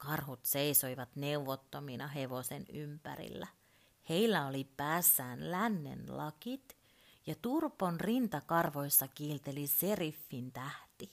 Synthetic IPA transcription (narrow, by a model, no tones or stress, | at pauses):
kɑrhut̪seisoiʋɑt̪neuʋot̪ːominɑɦeʋosenympæ̰rḭlːæ | he̞ilːæolipæːsːæːnlænːḛnlɑkit̪ | jɑt̪urponrint̪ɑkɑrʋoisːɑkiːlt̪eliserifːint̪æht̪i